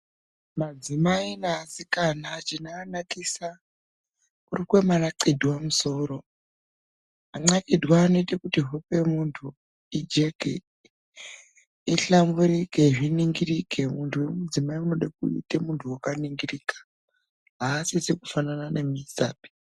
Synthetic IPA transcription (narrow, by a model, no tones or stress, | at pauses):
mad͡zimainaːsikanat͡ʃinaːnakisa | kurikwemanaǀidʱwamuso̞ːro̞ | aŋ͡ǀakidʱwaːno̞itakutiɦope̞muntʰu | id͡ʒe̞ɡʱḛ | iɬambuɾike̞ʐiniŋɡirike̞muntʰuwe̞mud͡zimaiuno̞ɗakṵḭtemuntʰuwakaniŋɡiriːkḁ | ɦaːsisekufananane̞misaːpi̥